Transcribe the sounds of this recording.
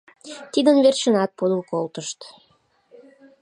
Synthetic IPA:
t̪id̪ənvβerʃənɑt̪̚pod̪ulkolt̪əʃt̪

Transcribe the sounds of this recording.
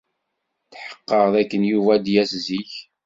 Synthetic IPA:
θħə̥qːəʁðækːənjuvæd̪jæsziç

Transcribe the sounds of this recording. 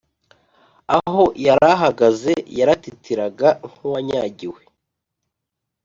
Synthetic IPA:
aɦo̞jaɾaɦaɡaze̞jaɾatitiɾaɡaŋ̥huwaɲaːɟiwe

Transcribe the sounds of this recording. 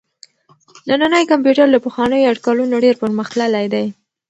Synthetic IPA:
nananəjkampjuʈaɾlapəxwɑnəjoaɖkalunoɖeɾpəɾməxt̪lalajd̪aj

